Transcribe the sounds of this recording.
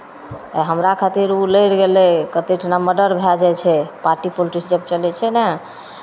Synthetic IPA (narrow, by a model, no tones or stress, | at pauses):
ɦəmɾakʰat̪iɾuləjɽɡelɛkət̪eʈʰnaməɖəɾbʱɛd͡ʒat͡ʃʰɛpaɾʈipoliʈisd͡ʒəbt͡ʃəlɛt͡ʃʰɛnɛ